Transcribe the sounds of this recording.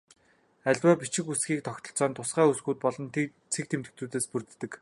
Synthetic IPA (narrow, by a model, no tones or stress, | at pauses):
æɮʲwæːpit͡ɕɪ̆kusɡiːk̚t̪ʰɔkt̪ɞ̆ɬt͡sɔːnt̪ʰʊsɢæːusɡuːt̪̚pɔɮɞ̆nt̪ | t͡sʰekt̪ʰemt̪ɘ̆k̚t͡s̪uːt̪eːspɵrt̪ːɘ̆k